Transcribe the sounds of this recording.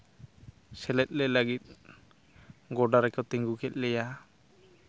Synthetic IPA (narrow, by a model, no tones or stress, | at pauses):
sɛlɛt̪̚ˀɾɛlaɡit̪̚ | ɡɔɖaɾɛkat̪ɛŋɡukɛt̪̚ˀlɛja